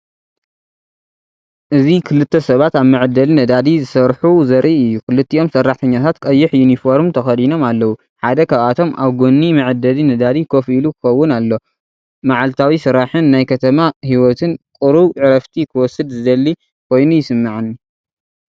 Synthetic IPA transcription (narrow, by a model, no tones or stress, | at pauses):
ʔɨzikʰɨlɨt̪ʰːɐsɐβat̪aβmɨʕɨd̪ːɐlinɐd̪ad̪izɨsɐɾħuzɐɾʔiɨjːukʰɨlɨt̪ʰːiʔo̞msɐrːaħt̪ʰɐɲːat̪ʰat̪kʼɐjːɪħjunifoɾmt̪ʰɐxɐd̪ino̞malːɐwu | ħad̪ɐkʰaβat̪ʰo̞mʔaβɡonːimɨʕɨd̪ɐlinɐd̪ad̪ikʰo̞filukʰɨ̥xɐwːʊnalːo̞ | maʕalt̪ʰawisɨɾaħɨnːajkʰɐt̪ʰɐmahiwɔt̪ʰɨnkʼɨɾuβʕɨɾɐft̪ʰikʰɨwɔsɨd̪zɨd̪ɐlːi | kʰo̞jnujɪsɨmːaʕɨni